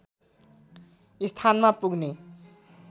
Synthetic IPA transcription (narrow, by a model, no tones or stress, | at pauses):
ist̪ʰanmapuɡne